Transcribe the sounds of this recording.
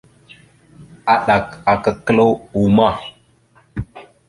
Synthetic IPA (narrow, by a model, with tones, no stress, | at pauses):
a˨ɗa˨ka˨kə˨kə˦lo˦wu˨ma˦˨